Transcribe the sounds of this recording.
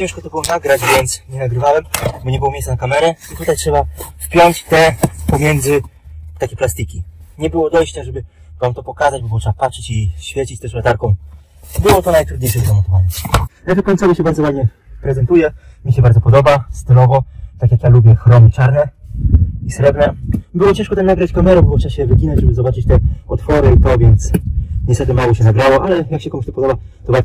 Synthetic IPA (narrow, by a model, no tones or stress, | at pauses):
t͡ɕɛ̃wʂkɔt̪ɔbɘwɔnaɡɾad͡ʑvʲjɛnt̪sɲɛnaɡɾɘvawɛmbɔɲɛbɘwɔmʲejsanakamɛɾɛit̪ut̪ajtʂɛbafpʲjɔɲt͡ɕt̪ɛpɔmʲjɛnd̪zɘt̪akʲɛplast̪ikʲiɲɛbɘwɔd̪ɔjɕt͡ɕaʐɛbɘ | vamt̪ɔpɔkazad͡ʑbɔbɔtʂɛapatʂɛt͡ɕiɕfʲjɛt͡ɕit͡ɕt̪ɛslɛt̪aɾkɔ̃w̃ | bɘwɔt̪ɔnajt̪ɾud̪ɲejʂɛzamɔt̪ɔvaɲɛnavɛt̪kɔɲʲtsɔvɔɕɛbaɾd̪zɔwad̪ɲɛ | pɾɛzɛnt̪ujɛmʲɲiɕɛbaɾd̪zɔpɔd̪ɔbast̪ɪlɔvɔt̪akjakjalubʲjɛxɾɔnɘt͡ʂaɾnɛ | isɾɛbnɛbɘwɔt͡ɕɛ̃ʂkɔt̪ɛmnaɡɾat͡ɕkamɛɾɛbwɔtʂɛaɕɛvɘɡʲinad͡ʑʐɛbɘzɔbat͡ʂɘt͡ɕt̪ɛɔt̪fɔɾɘit̪ɔvʲjɛnt̪sɲɛst̪ɛt̪ɘmawɔɕɛnaɡɾawɔʔalɛjakɕɛkɔmʂt̪ɔpɔd̪ɔba | t̪ɔba